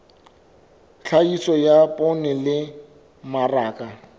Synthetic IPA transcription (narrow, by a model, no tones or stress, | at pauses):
ɬʰaisɔjapʼɔnɛlɪ | maraːkʼa